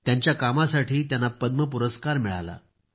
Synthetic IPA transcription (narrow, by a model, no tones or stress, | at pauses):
t̪jaɲt͡ɕjakamasaʈʰiːt̪janːapəd̪məp̬uɾəskaɾmiɭa̰la̰